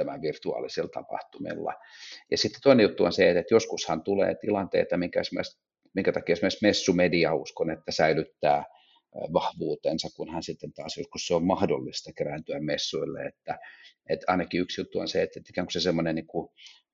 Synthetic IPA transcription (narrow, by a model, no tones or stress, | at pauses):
tæmæʋirt̪uɑ̰ːlisilt̪ɑ̰pɑ̰ht̪umḭlːɑ̰jɑ̰sit̪ːe̥t̪oinejut̪ːuo̰nset̪et̪joskushɑnt̪ulḛːt̪ilɑnt̪ḛit̪ɑmiŋkæsemoes | miŋkæt̪ɑkiɑsemoesmesːumediɑuskonet̪ːæsæilyt̪ːæː | ʋɑhʋuːt̪ensɑkkunhɑnsit̪ːent̪ɑːsjoskusseommɑhdolːist̪ɑkerænt̪yæmmesːuilːḛet̪ːæet̪ɑ̰inɑkiyksjut̪ːuo̰nseet̪ːet̪ikæːŋku̥sesemːonenniŋku